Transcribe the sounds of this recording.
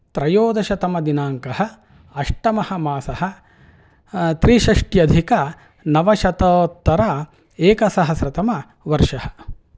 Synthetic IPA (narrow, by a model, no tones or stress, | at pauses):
t̪ɾɐjoːd̪ɐʃɐt̪ɐmɐd̪inaːŋkɐɦɐ | ɐʂʈɐmɐhɐ̆maːsɐɦɐ̆ | t̪ɾiːʃɐʂʈjɐd̪ʱikɐ | nɐʋɐʃɐt̪ɐːt̪ːɐɾa | eːkɐsɐɦɐsɾɐt̪ɐmɐ | ʋɐɾʂʃɐhɐ̥